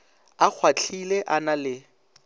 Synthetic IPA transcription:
ak͡xʰwat͡ɬʰileʔanalɪ

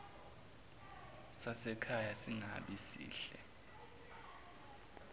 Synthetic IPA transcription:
sasɛkʰajasiŋa̰ɓisḭːɬɛ̰

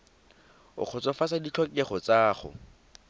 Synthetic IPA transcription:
ʊ̰k͡xʰʊt͡sɔfasadit͡ɬʰɔkɛχɔt͡saːχʊ̰

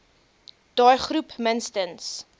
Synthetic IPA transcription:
d̥ɑːjχrupmənstəns

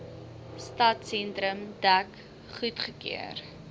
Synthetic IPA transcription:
stɐtsɛntɾəmdæk | χutχəkiə̰r

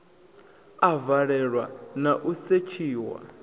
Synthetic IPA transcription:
avaɺɛɺwanaʔuset͡ʃʰiːwa̰

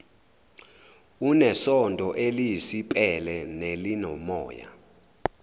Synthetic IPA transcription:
unɛsɔndʱʼɔʔelijisipʼɛlɛnelinɔmɔ̰ːja̰

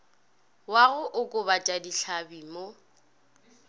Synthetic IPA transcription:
waɣʊʔʊkʼʊbat͡ʃʼadiɬʰabiːmo

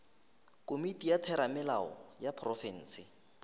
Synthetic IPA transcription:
kʼomitʼijatʰɛɾamɪla̰ɔ̰japʰrɔfɛn̩ːsɪ

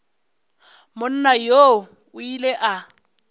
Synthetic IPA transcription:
mʊn̩najo | ʊileʔa

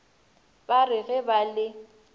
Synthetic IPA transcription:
barɪɣɛbalɪ

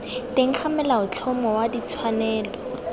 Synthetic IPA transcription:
teŋ̩t͡ɬʰamɛlaʊt͡ɬʰɔmɔwadit͡sʰwanɛːlɔ

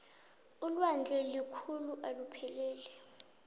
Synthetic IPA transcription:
ulwand͡ɮʱɛlikʰuluʔalupʰɛlɛːlɛ

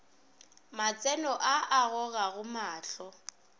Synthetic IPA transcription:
mat͡sʼɛnɔʔaʔaɣɔɣaɣʊmaːɬɔ

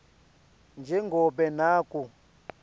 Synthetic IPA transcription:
nd͡ʒɛŋɡɔbɛnaːkʼu

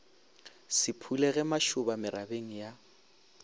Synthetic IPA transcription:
sɪpʰulɛɣɛmaʃʊbamɪɾabeŋ̩ja

